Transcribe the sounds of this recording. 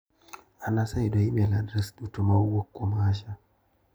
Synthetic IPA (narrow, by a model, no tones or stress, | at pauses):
anasajdɔimɛladɾɛsɗutumawɔkːɔmaːʃa